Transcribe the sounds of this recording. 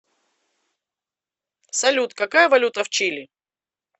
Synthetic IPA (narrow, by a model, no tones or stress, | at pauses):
sɐlʲut̪kɐkajəvɐlʲut̪əft͡ɕilʲɪ